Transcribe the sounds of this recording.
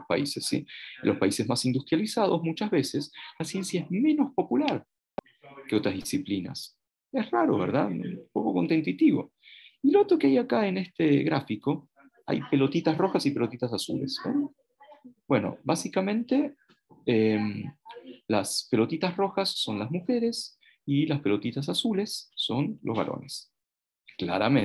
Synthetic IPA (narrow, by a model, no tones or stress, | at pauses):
ospa̰isesːḭlʔo̞spaisezmasind̪ust̪ɾjalisað̞ozmut͡ʃazβe̞seslasje̞nsjaezmẽ̞no̞spo̞pulaɾ | keo̞t̪ɾazðisiplina̰s | esraɾo̞̰βe̞ɾðaðpo̞ko̞ko̞nt̪e̞nt̪it̪iβo̞̰ | ilo̞t̪ɾo̞keajakae̞ne̞st̪eɣɾafiko̞ | a̰jpe̞lo̞t̪it̪asro̞xasipe̞lot̪it̪asasṵle̞̰so | bwe̞no̞̰basikamẽ̞nt̪e̞ | em | laspe̞lo̞t̪it̪asro̞xasːo̞nlazmuxe̞ɾe̞s | ilaspe̞lo̞t̪it̪as̬asule̞sːo̞nlʔo̞zβa̰ɾo̰ne̞s | kla̰ɾa̰me